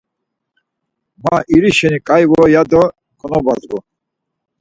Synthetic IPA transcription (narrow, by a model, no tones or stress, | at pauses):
maʔiɾiʃɛnikʼajvɔjad̪ɔ | kʼɔnɔbazɡɔ